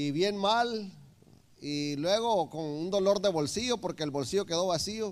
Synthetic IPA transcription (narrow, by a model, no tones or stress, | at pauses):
iβje̞nmal | ilwe̞ɣ̞o̞koŋund̪o̞lo̞ɾd̪e̞βo̞lsiʝopo̞ɾke̞ːlβo̞lsiʝoke̞ðo̞βasio